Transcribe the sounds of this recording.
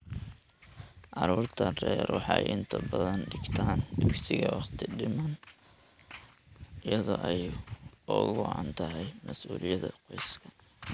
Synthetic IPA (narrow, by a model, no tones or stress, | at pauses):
ʕɑɾuːrt̪ʰɐrɛ̰ːɾwɔħɑjʔɪnt̪ʰɐbɐðɐnɖɪɡt̪ʰaːnd̪ʊksɪɣɐwɑχt̪ʰɪɖɪmɐn | ɪjɐðɔːʔɛjɔːɣʊʕɑ̰nt̪ʰɐɦɛjmɐsʔuːlɪjɐðɐqɔjskʰɐ